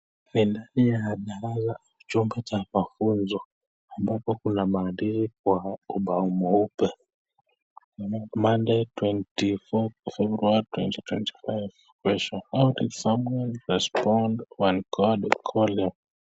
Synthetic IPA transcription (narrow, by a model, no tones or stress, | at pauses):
nindaɗijahaɗaɾazaut͡ʃumbɛt͡ʃamafunzɔ | ambapɔkunamaːɗiɾik̚wauɓaumɔupɛ | mandɛtwɛntifɔfɛbɾuaɾitwɛntitwɛnti̥fajv | kwɛʃɔnawtitsamwɛlɹɛspɔndwankʰɔdkʰɔlɛ